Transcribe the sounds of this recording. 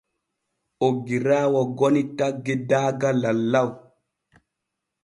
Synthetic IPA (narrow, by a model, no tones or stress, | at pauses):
ʔoɡːiɾaːwɔɡonitaɡːɛdaːɡalalːaw